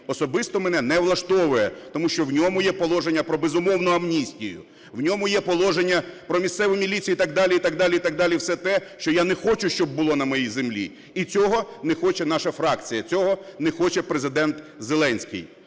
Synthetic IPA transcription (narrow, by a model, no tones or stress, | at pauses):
ɔsɔbɪst̪ɔmenɛnɛʋlˠɐʃt̪ɔʋʊjɛt̪ɔmuʃt͡ʃɔwnʲɔmʊjɛpɔlˠɔʒenʲːɐpɾɔbezʊmɔwnʊɐmnʲisʲtʲijʊ̰ | wnʲɔmʊjɛpɔlˠɔʒenʲːɐpɾɔmʲist̪sɛʋʊmʲilʲit͡sʲijit̪ɐɡ̚d̪ɑlʲiit̪ɑɡ̚d̪ɑlʲiit̪ɑɡ̚d̪ɑlʲiwsɛt̪ɛʃt͡ʃɔjanɛxɔt͡ʃʊʃt͡ʃɔb̚ːʊlˠɔnɐmɔjijzemlʲḭ | it͡sʲɔɦɔnɛxɔt͡ʃɛnɑʃɐfɾɑkt͡sʲijɐt͡sʲɔɦɔnexɔt͡ʃɛpɾezɪd̪ɛnt̪zelˠɛnʲsʲkɪ̰j